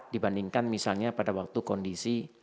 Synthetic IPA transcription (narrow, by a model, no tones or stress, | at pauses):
d̥ibandiŋkanmisalɲapadawak̚t̪ukɔndisi